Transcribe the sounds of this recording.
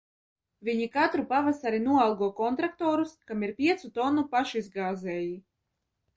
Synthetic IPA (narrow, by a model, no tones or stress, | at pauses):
vʲiɲikat̪ɾupavasaɾinuɔalˠɡuɔkɔnt̪ɾak̚t̪ɔːɾuskamiɾpʲiɛt̪sut̪ɔnːupaʃizɡaːzɛːji